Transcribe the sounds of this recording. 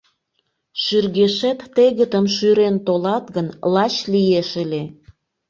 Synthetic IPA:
ʃyrɣeʃet̪ːeɣət̪əmʃyɾent̪olɑt̪ɣənlɑt͡ɕlijeʃele

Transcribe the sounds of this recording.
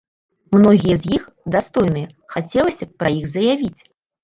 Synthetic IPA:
mnɔɣʲijɛzjix | d̪ast̪ɔjn̪ɨjɐ | xat͡sʲɛlˠɐsʲɐpɾɐjiɣzɐjavʲit͡sʲ

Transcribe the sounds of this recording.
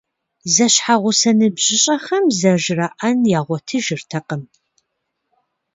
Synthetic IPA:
zɐɕħaʁʷʊsɐnɨbʑ̥ɪɕʼɐχɐmzɐʒraʔɐnjaːʁʷɔtʰɨʒɪrtʰɐqəm

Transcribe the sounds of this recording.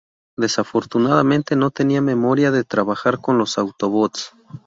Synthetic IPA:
d̪e̞safo̞ɾt̪unaðamẽ̞nt̪e̞no̞t̪e̞niame̞mo̞ɾjaðe̞t̪ɾaβaxaɾko̞nlo̞sawt̪o̞βot̪s

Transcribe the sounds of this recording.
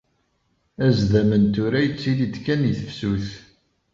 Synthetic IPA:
æzðæmənt̪uɾæjət͡sːilid̪kæniθəfsuθ

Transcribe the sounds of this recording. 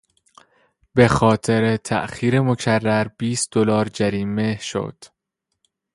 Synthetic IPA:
be̞xɒːt̪ʰe̞ɾet̪ʰæ̰ʔxiːɾe̞mo̞cʰærːæɾb̥iːst̪̚d̪̥olɒːɾd͡ʒæɾiːme̞ʃo̰d̪̥

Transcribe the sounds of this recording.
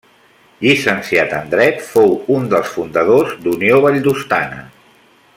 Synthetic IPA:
ʎisənsiat̪ə̰nd̪ɾɛt̪fowund̪əlˠsfund̪əð̞ozd̪unioβəʎd̪ust̪a̰nə̰

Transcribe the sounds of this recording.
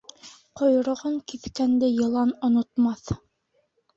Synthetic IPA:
qŏjŏɾŏʁɤŋkiθkænd̪ɘjɤ̆lˠɑnŏnŏt̪mɑθ

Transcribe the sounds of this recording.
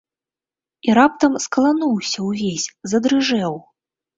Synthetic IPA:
iɾap̚t̪ɐmskɐlˠanuwsʲɐwvʲesʲzɐd̪ɾɨʐɛw

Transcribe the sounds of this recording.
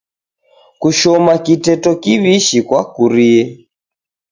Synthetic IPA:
kuʃɔmakitɛtɔkiβiʃikwakuɾiɛ

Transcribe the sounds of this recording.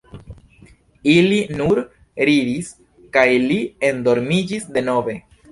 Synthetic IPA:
ilinuɾ | ɾidis | kajlie̞ndo̞ɾmid͡ʒisde̞no̞ve̞

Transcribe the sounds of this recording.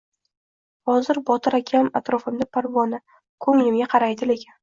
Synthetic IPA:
hɒzɪɾbɒt̪ʰɪɾakʲʰamat̪ɾɒfɪmd̪apʰaɾvɒnɪ | kʰɵŋlɪmɡʲaqʰɑɾajd̪ɪlekʲʰan

